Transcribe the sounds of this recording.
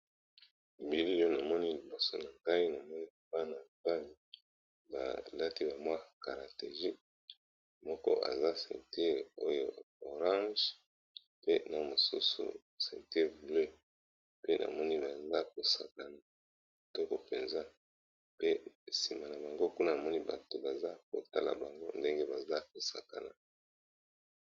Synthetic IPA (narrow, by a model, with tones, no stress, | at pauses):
bi˨li˦jo˦na˨mɔ˦ni˦li˨bo˨so˦na˨ŋɡa˦i˦na˨mɔ˦ni˦ba˦na˨ba˦li˨ | ba̰˨la˦ti˦ba˨mwa˦ka˨ʁa˨te˨ʒi˦ | mɔ˦kɔ̰˦ʔa̰˨za˦sɛ̰˨nte˦o˦jo̰˦ | o˨ʁã˦ʒ | pe˦na˨mo˨sṵ˦sṵ˨ | sɛ˨nte˦vu˨le˦ | pe˦nʔa̰˨mɔ˦ni˦ba˨za˦ko˨sa˨ka˨na˨ | tɔ˦ko˨pe˨nza˦ | pe˦si˨ma˨na˨ba˨ŋɡo˦ku˦na˦na˨mɔ˦ni˦ba̰˨to˨ba˨za˦ko̰˨ta̰˦la̰˨ba˨ŋɡo˦nde˦ŋɡe˦ba˨za˦ko˨sa˨ka̰˨la̰˨